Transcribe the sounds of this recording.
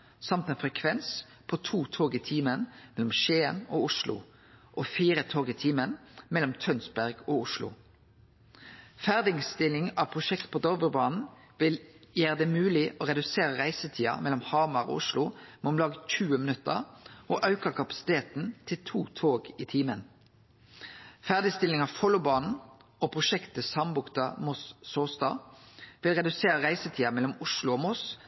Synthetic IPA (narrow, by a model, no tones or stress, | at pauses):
sɑmt̪ɛːnfʁɛkʰʋɛns | pʰɔt̪ʰuːt̪ʰoːɡɪt̪ʰiːmənmɛlːɔmʃeːənoːʊʂlʊ̰ | ʔɔfiːɾət̪ʰoːɡɪt̪ʰiːmənmɛlːɔmt̪ʰœnsbæʁɡɔʊʃlʊ̰ | fæʁd̪ɪŋst̪ɪlɪŋɑʋpʰʁʊʃɛkt̪pʰɔd̪ɔʁʋəʁbɑːnn̩ | ʋɪljæːɾəd̪ɛmʉːlɪʔɔʁɛd̪ʉseːɾəʁæɪsət̪ʰiːɑ̰mɛlɔmhɑːmɑʁɔ̰ːʊʂlʊmɛɔmlɑːɡəçʉːəmənʉt̪ːə̰ʁʔoʔɑʉkəkʰɑpɑ̥sɪ̥t̪ʰeːt̪n̩t̪ʰɪlt̪ʰuːt̪ʰoːɡit̪ʰiːmən | fæʁd̪ɪst̪ɪlɪŋɑfɔlʊbɑːnn̩opʰʁʊʃɛkt̪əsɑmbʊkt̪ɑmɔsːoːst̪ɑ̰ːʋɪlʁɛd̪ʉseːɾəʁæɪsət̪ʰiːɑmɛlɔmʊʂlʊoːmɔs